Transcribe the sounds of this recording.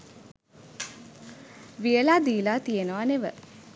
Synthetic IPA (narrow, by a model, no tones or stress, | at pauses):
ʋijəlaːd̪iːlaːt̪ijenəʋaneʋə̰